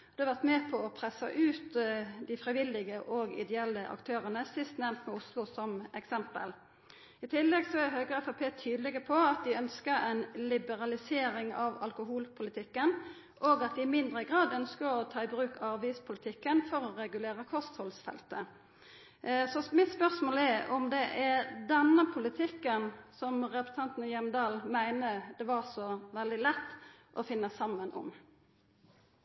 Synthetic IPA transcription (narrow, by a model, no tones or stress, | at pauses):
d̪̥ɛhɑʋæʁt̪mɛːpʰɔɔpʰʁɛsːɑ̰ʔʉːt̪d̪ɪfʁɪʋɪlːɪɡəʔɔɡɪ̰d̪ɛɛlːəʔɑ̰kt̪ʰøːʁənəsɪst̪nɛmt̪mɛʊslʊsɔmɛksɛmpə̰l | ɪt̪ʰɪlːɛɡsɔæɾɦøːɡəɛfɑpʰeːt̪ʰyːd̪əlɪɡəpʰɔɑt̪̚d̪ɪœnskəɛɪnlɪbəɾɑlɪseːɾɪŋɑʋɑ̰lkʊɦuːlpʰʊlɪt̪ʰɪkːən | ʔoːɡɑt̪̚d̪ɪɪmɪnd̪ʁəɡʁɑːd̪œnskəɔt̪ʰɑːɪbɾʉːkɑɑʋiːspʰʊlɪt̪ʰɪkːənfɔɾɔɾɛɡʉleːɾəkʰɔst̪hɔlsfɛ̰lt̪ə | sɔmɪt̪spœʁsmoːlɛɔmd̪ɛʔæd̪ɛnːəpʰʊlɪt̪ʰɪkːənsɔmʁɛpəsət̪ʰɑnt̪nəjɛmd̪ɑːlmæɪnəd̪̥ɛʋɑʁsɔʋɛld̪ɪlɛt̪ːʔɔfɪnːəsɑmːənʔɔ̰m